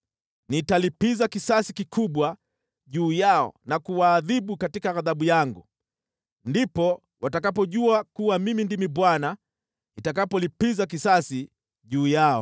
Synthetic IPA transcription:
nitalipizakisasikikʰuɓwa | ʄuːjaɔ̰nakuwaːðiɓukatikaaðaɓujaŋɡu | ndipɔ | watakapɔʄuakuwamimindimiɓwana | itakapɔlipizak̬isasi | ʄuːjaɔ̰

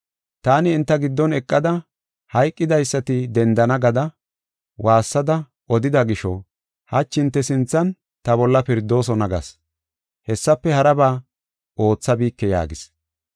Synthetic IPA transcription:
t̪aːnɪːnt̪ːɐɡɪd̪ːɔnɛkʼːɐd̪ɐ | hɐjkʼːɪd̪ɐjsːɐt̪ɪd̪ɛnd̪ɐnɐɡɐd̪ɐ | wʔaːsːɐd̪ɐ | ʔɔd̪ɪd̪ɐɡɪʃɔ | hɐt͡ʃːɪnt̪ːɛsɪnt͡sːɐn | t̪ɐbɔlːɐpɪɾd̪ːo̞ːs̬ɔnɐɡɐ̰s | hɛsːɐpːɛhɐɾɐbaː | ʔo̞ːt͡sːɐbiːkːɛja̰ːɡɪs

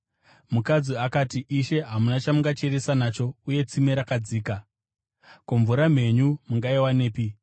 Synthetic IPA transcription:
mukad͡ziakatiʔiʃe̞ɦamunat͡ʃamuŋɡat͡ʃe̞ɾesanat͡ʃo̞uje̞t͡simeɾakad͡ziːka | koɱvuɾam̤e̞ɲumuŋɡaiwane̞ːpi

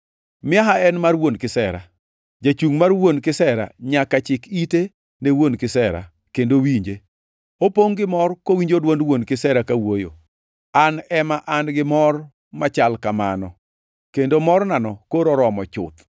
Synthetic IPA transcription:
mɪaɦaɛnmarwonkɪsɛɾa̰ | d͡ʒat͡ʃuŋmarwonkɪsɛɾa̰ɲakat͡ʃɪkite | newonkɪsɛɾa̰ | kendowiɲd͡ʒe | opoŋɡɪmɔrkowiɲd͡ʒodwondwonkɪsɛɾakawojo̰ | anɛmaʔanɡɪmɔr | mat͡ʃalkama̰nɔ | kendomɔrnanɔkoɾɔɾɔmɔt͡ʃʊ̰t̪

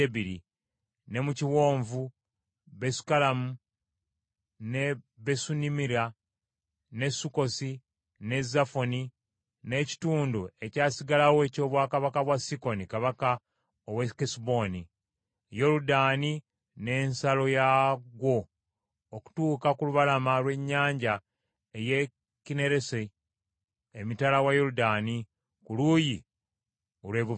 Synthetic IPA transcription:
eβiɾḭ | ne̞muciwo̞ːɱvu | βe̞su̥kalamu | ne̞βe̞sunimiɾa | ne̞suko̞si | ne̞zafo̞ni | ne̞ːci̥tuːndue̞caːsiɡalawoe̞ːco̞ːβwaːkaβakaβwasiko̞nikaβaka | owekisbo̞ni | jo̞ɾudaːni | ne̞ːnsalo̞jaɡwo̞ː | ku̥tuːkakuluβalamalwe̞ɲːaːɲɟa | eje | kine̞ɾe̞se | mitalawajo̞ɾudani | kuluːji | olweːβu

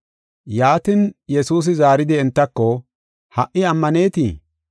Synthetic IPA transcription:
jaːt̪injɛsuːs̬ɪzaːɾɪd̪ɪɪnt̪ːɐkːɔ | hɐʔɪɐmːɐne̞ːt̪iː

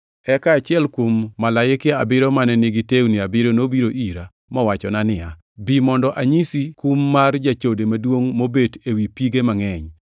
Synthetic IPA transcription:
ɛkaːt͡ʃɪɛlkwomːalajɪkɪa̰bɪɾomanɛnɪɡɪtewnɪabɪɾonobiɾoʔiɾa | mɔwat͡ʃɔnanɪa | bimɔndɔʔaɲisikumːard͡ʒat͡ʃodemadwoŋmobedewipiɡemaŋɛɲ

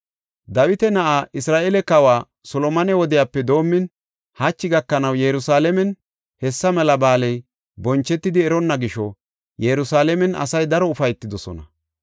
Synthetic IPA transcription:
d̪ɐwɪt̪ɛnɐʔaːʔɪsɾaːʔɛlɛkɐwaː | sɔlɔmɐnɛwɔd̪ɪjaːpːɛd̪o̞ːmːɪn | hɐt͡ʃːɪɡɐkːɐnɐwjɛɾʊsaːlɛmɛn | hɛsːɐmɛlɐbaːlɛj | bɔnt͡ʃːɛt̪ːɪd̪ɪɛɾɔnːɐɡɪʃɔ | jɛɾʊsaːlɛmɛnɐ̰sɐjd̪ɐɾɔʊfɐjt̪ːɪd̪ɔsɔ̰nɐ

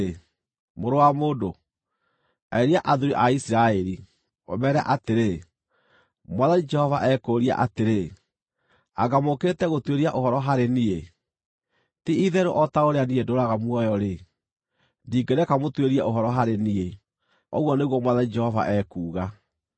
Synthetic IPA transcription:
moɾowamoːdo | aeɾiaʔaðuɾiʔaisiɾaɛɾi | ɔ̰mɛɾɛa̰ʔateɾe | mwaðanid͡ʒɛhɔvaʔɛkoɾia̰ʔateɾe | aɣamoketɛɣotweɾiaʔoɦɔɾɔɦaɾenie | tiiðɛɾoʔɔtaoɾeaniedoɾaɣamwɔjɔɾe | diːɡeɾɛkamotweɾiɛʔoɦɔɾɔɦaɾenie | ɔ̰ɣwɔneɣwɔmwaðanid͡ʒɛhɔva̰ʔɛkuːɣa

